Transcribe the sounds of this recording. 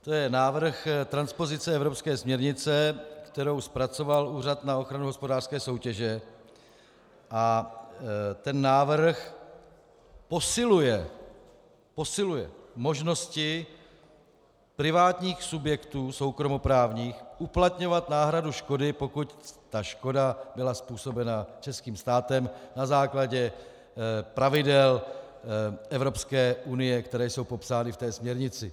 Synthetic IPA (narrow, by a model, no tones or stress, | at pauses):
t̪o̞jɛnaːvr̩xt̪ɾanspo̞zɪt͡sɛɛvɾopskɛːsmɲɛɾɲɪt͡sɛkt̪ɛɾo̞wspɾat͡so̞valuːr̝at̪nao̞xɾanuɦo̞spodaːr̥skɛːso̞wcɛʒɛ | ʔa | t̪ɛnːaːvr̩x | posɪlujɛ | po̞sɪlujɛ̰mo̞ʒno̞scɪ | pɾɪvaːt̪ɲiːxsubjɛkt̪uːso̞wkɾomo̞pɾaːvɲiːxʔuplat̪ɲo̞vat̪naːɦɾaduʃko̞dɪpo̞kuct̪aʃko̞dabɪlaspuːso̞bɛnat͡ʃɛskiːmst̪aːt̪ɛmnazaːklaɟɛ | pɾavɪdɛl | ʔɛvɾo̞pskɛːʔunɪjɛkt̪ɛɾɛːjso̞wpo̞psaːnɪft̪ɛːsmɲɛɾɲɪt͡sɪ